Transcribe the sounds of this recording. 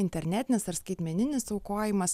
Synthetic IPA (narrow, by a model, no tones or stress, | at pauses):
ɪnʲt̪ʲɛɾʲnʲæt̪ʲɪnʲɪsɐɾskɐɪt̪ʲmʲɛnʲɪnʲɪsɐʊkoːjɪmɐs